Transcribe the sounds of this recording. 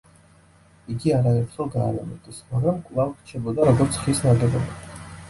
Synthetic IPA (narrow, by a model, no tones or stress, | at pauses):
iɡiaɾaɛɾt̪χɛlˠɡaːlamɔt̪ʰʼɛsmaɡɾamkʼlˠavɾt͡ʃʰɛbɔd̪aɾɔɡɔɾt̪sʰχisnaɡɛlɔba